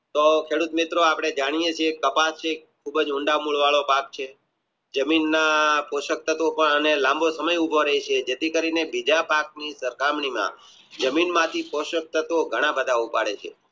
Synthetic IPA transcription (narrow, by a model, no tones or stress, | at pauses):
t̪okʰeɽut̪mit̪ɾoapɽ̃ed͡ʒaɽ̃ijet͡ʃʰiekːəpast͡ʃʰekʰːubəd͡ʒʊ̃ɳɖamuɭʋaɭopak̚t͡ʃʰe | d͡ʒəminːapoʃək̚t̪ət̪opəɳənelãmbʱosəməjubʱoɾəɦit͡ʃʰed͡ʒet̪ikəɾinebid͡ʒapak̚nisəɾkamɳimã̰ | d͡ʒəminmãt̪ʰipoʃək̚t̪ət̪oɡʱəɽ̃ãbəd̪ʱaupa̰ɽḛt͡ʃʰḛ